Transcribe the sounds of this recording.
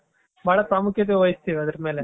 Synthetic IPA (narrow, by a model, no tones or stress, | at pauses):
maːɽɐp̪ɾaːmukjɐt̪eʋɐjist̪iːʋiɐd̪ɐɾmeːle